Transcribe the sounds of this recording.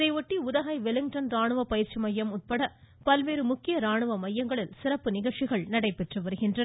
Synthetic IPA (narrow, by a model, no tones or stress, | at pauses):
ðɐɪʋɔʈːiʊðɐɣɐɪʋɛlɪŋʈɐnɾaːɳɯʋɐpːɐjɪɾt͡ʃːimɐjːɐmʊt̪̚pɐɽɐ | pɐlʋeːɾɯmʊkːɪjɐɾaːɳɯʋɐmɐjːɐŋɡɐɭɪlsɪɾɐpːɯnɪɣɐɭt͡ʃɪɣɐɭnɐɽɐɪpːɛʈrɯʋɐɾɯɣɪndrɐ